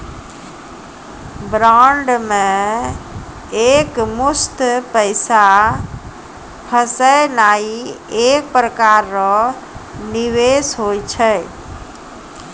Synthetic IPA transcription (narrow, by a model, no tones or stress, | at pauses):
bɾaɳɖmẽ | ekmust̪pəɪsa | pʰəsəjnaiek̚pɾəkaɾːɔ | niʋesɦojt͡ʃʰəj